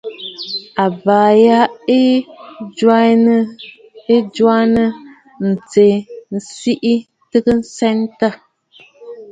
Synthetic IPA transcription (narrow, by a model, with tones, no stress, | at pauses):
a˨ba˨ja˦ | e˦d͡ʒwa˦nə˦ | n̩˨t͡se˨n̩˨si˦ʔi˦ | tɨ˦kə˦n̩˦sɛ˦ntə˦˨